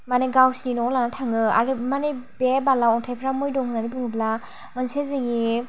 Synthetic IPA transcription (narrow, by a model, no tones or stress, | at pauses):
maneɡawsininɔlanatʰaŋɯa̰ɾɯmanebebalaɔŋtʰajpʰɾamɔjdɔŋkʰɯnanipɯŋɯbla | manseziŋi